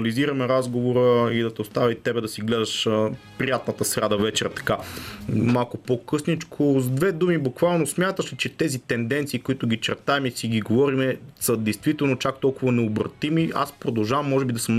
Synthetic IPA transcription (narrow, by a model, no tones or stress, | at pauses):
ɐliziɾɐmɛɾazɡovoɾəid̪ɐt̪ɛost̪avʲɐt̪ɛbɛd̪ɐsiɡlɛd̪ɐʃəpɾijat̪nət̪əsɾʲad̪ɐvɛt͡ʃɛɾt̪ɐ̥ka | malˠkʊpokɤsnit͡ʃkʰozd̪vɛd̪umibukvalˠnosmʲjat̪əʃɛt͡ʃɛt̪ɛzit̪ɛnd̪ɛnt̪siːkoit̪ʊɡʲit͡ʃɛɾt̪aɛmisiɡʲiɡovɔɾimɛsɐd̪ɛjst̪vit̪ɛlˠnot͡ʃak̚t̪ɔlˠkʊvɐnɛobɾɐ̰t̪imia̰spɾod̪ɐlˠʒavɐmːɔʒɛbid̪ɐsəmn